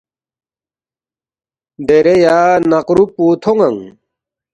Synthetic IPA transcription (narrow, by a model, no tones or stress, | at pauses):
d̪eɾejaːnɐqɾuput̪ʰoŋɐŋ